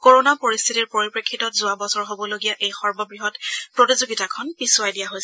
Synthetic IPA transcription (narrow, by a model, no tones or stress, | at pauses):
koɹonapoɹist̪ʰitiɹpoɹipɹekʰːitɔtzʊabɔsɔɹɦobɔloɡijaʔejxɔɹmɔbɹiɦɔtpɹotizuɡitakʰɔnpisuajdijaɦojs